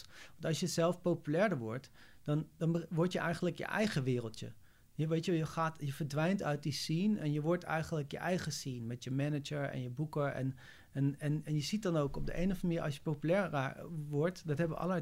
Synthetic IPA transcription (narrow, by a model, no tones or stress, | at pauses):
ʋɑntɑlˠsjəzɛlˠfpowpylɛːɹdəɹʋɔɹt | d̥ɑndɑnbəʋɔɹtjəʔɛjχənləkjə̰ʔɛjχəʋɪːrəlˠtjə̰ | jəʋejtəʋɛjəχaːtjəvəɹdʋɛjntœɥt̚disinɛnjəʋɔɹtɛ̰jχənləkjə̰ʔɛjχəsinmɛtjəmɛnəd͡ʒəɹɛ̰njəbukəɹɛ̰n | ɛnɛnɛnjəzit̚dɑnowkɔb̚də̰ʔejnəχəmɪːɹʔɑ̰sjə̥powpylɛɹʋɔɹtdɑtɦɛbəʋə̰ɑ̰lə